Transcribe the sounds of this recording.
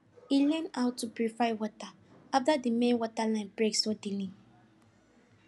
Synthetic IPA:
ilɛ̃naʊtʰːupɹifajwɔta | aftadimẽnwɔtalãbɹeksɔdilĩ

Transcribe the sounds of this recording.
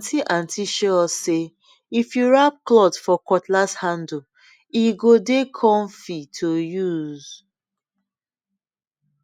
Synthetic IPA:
tʰiʔãntʰiʃɔse | ifjuɹap̚klɔdfɔkɔtlashãndu | iɡodekʰɔ̃nfitʰojuz̥

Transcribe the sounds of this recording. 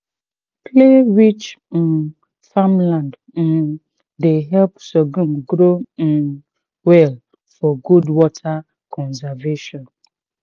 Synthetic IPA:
pʰleɹit͡ʃn | famlãnd̩ | deɦɛlpsɔɡũmɡɾõn | wɛl | fɔɡudwɔtʰa | kʰɔ̃nsɛveʃɔ̃n

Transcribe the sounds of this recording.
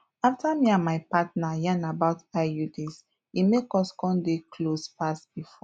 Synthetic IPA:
aftamiãmaɪpatnajãnabaʊtajudes | imekɔskɔ̃ndekʰlospasb̥ifɔ

